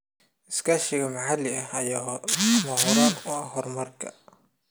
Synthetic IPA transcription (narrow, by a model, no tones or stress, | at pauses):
ʔɪskʰaːʃɪɣɐmaʕalɪɐɐjaːmɐɦɔɾaːnʊɐɦɔrmɐrkʰɐ̰